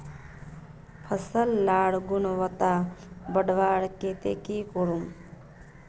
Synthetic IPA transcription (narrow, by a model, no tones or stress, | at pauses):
pʰəsəlːaːɽɡunʋət̪abəɖʋaːɽket̪ḛkikɔɾum